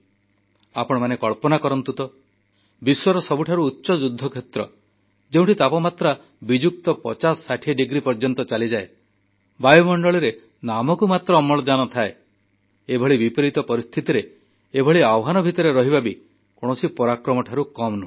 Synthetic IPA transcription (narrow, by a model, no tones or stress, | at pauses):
apɔɽ̃ɔmanekɔɭpɔnakɔɾɔnt̪ut̪ɔ | biswɔɾɔsɔbuʈʰaɾuːtːʃɔd͡ʒud̪ʱːɔkʰet̪ɾɔ | d͡ʒeũʈʰit̪apɔmat̪ɾa | bid͡ʒuk̚t̪ɔpɔt͡ʃasːaʈʰiɖiɡɾipɔɾd͡ʒɔnt̪ɔt͡ʃalid͡ʒae | bajumɔɳɖɔɭiɾe | namɔkumat̪ɾɔːmɔɭɔd͡ʒanɔt̪ʰae | ebʱɔɭibipɾit̪ɔpɔɾist̪ʰit̪iɾe | ebʱɔɭiawɦanɔbʱit̪ɔɾeɾɔɦibʱabi | koɽ̃ɔsipɔɾakɾɔmɔʈʰaɾukɔmnu